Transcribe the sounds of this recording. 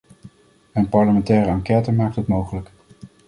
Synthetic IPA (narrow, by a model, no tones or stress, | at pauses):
ənpɑɹləmɛntɛːrəɑŋkɛtəmaːk̚tətmowχələk